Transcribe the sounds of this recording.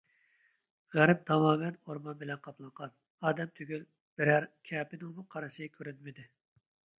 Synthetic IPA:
ʁæɾp̚t̪ʰɑmɑːmɛnoɾmɑnbɪlɛnqʰɑplˠɑɴqɑn | ɑːd̪ɛmt̪ʰyɡʲyl | b̥ɪɾæɾkʲʰɛːpɪnɪŋmuqʰɑɾɨsɨkʲʰøɾynmɪd̪ɪ

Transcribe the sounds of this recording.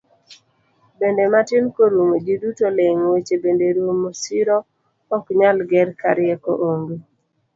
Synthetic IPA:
bendematɪnkoɾumod͡ʒidutoleŋwet͡ʃebendeɾumosiɾo | ɔkɲalɡɛɾkaɾɪɛko̰ʔoŋɡe

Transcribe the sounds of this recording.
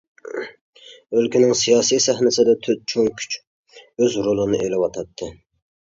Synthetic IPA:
ølkʲinɪŋsijɑːsijsæhnɪsɪd̪ɛt̪ʰøt̪̚t͡ʃʰoŋkʲʰy̥t͡ʃ | øzɾolˠɨnɨʔelɪwɑt̪ʰɑt̪ʰːɨ

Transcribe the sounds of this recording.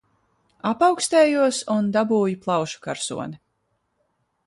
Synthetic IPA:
apawkst̪ɛːjuɔsund̪abuːjiplˠɑwʃu̥kaɾsṵɔni

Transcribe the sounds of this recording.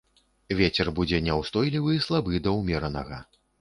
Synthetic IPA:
vʲet͡sʲɛrbud͡zʲɛnʲɛwst̪ɔjlʲivɨislˠabɨd̪ɐwmʲɛɾɐnɐɣɐ

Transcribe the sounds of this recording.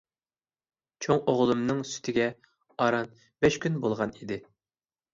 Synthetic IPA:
t͡ʃʰoŋoʁlˠɨmnɨŋsy̥t̪ʰɪɡʲɛ | ɑɾɑn | bɛʃkʲynbolˠʁɑnid̪ɪ

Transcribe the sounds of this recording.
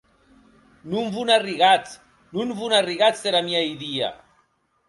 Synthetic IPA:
numvunariɣat͡s | nunvunariɣat͡s̪eɾamiajðia̰

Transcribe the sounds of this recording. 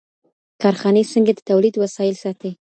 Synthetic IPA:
kɑɾxɑnesəŋɡad̪ət̪awlid̪wasɑjɪlsɑt̪e

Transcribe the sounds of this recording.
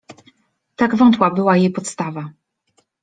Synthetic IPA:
t̪aɡvɔnt̪wabɘwajejpɔt̪st̪ava

